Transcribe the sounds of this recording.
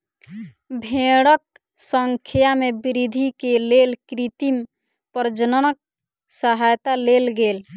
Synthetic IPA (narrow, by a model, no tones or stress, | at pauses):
bʱẽɽək̚ | səŋkʰijamebiɾid̪ʱikelelkɾit̪im | pəɾd͡ʒənənək̚ | səɦajt̪alelɡel